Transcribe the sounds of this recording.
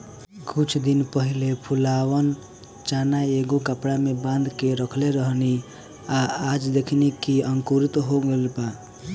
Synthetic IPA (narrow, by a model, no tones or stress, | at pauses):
kut͡ʃʰd̪inpəɦilepʰulawən | t͡ʃanaeɡokəpɽamebãnd̪keɾəkʰleɾəɦni | aad͡ʒd̪ekʰnikiəŋkuɾit̪ɦoɡelba